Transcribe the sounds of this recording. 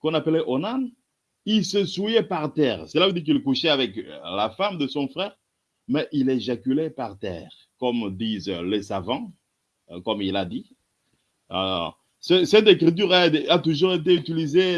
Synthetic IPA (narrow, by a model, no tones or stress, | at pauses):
kɔ̃napəlɛʔonan | ilsəsujɛpaʁt̪ɛːʁsəlavud̪iʁkilkuʃɛavɛklafamd̪əsɔ̃fχɛːʁ | mɛʔileʒakylɛpaʁt̪ɛ̰ːʁ | kɔmd̪izlesavɑ̃ | kɔmilad̪i | sɛsɛd̪ekʁit̪̬yʁɛd̪at̪uʒuʁet̪eyt̪ilize